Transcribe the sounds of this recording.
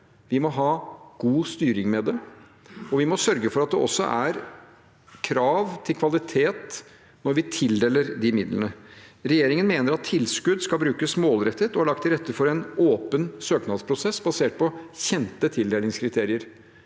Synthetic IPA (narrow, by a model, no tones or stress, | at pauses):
ʋɪmɔɦɑːɡ̥uːst̪yːɾɪŋmɛd̪ɛ | ɔʋɪmɔsœɾɡəfɔɾɑt̪̚d̪ɛ̰ʔɔ̰sːɔ̰ʔæɾ | kʰɾɑːʋt̪ʰɪlkʰʋɑlɪt̪ʰeːt̪ | nɔɾʋɪt̪ʰɪld̪eːləɾd̪ɪmɪd̪lənəɾɛjeːɾɪŋənmeːnəɾɑt̪ʰːɪlskʉd̪skɑlbɾʉːkəsmoːlɾɛt̪ːət̪ɔhɑɭɑk̚t̪ʰːɪlɾɛt̪ːəfɔɾɛnoːpənsøːknɑd̪spʰɾʊsɛsːbɑseːʈ̚pɔçɛnt̪ət̪ʰɪld̪eːlɪŋskʰɾɪt̪ʰeːɾɪəɾ